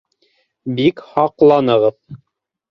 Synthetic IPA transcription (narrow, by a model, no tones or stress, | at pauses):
bikhɑqlˠɑnɤ̆ʁɤð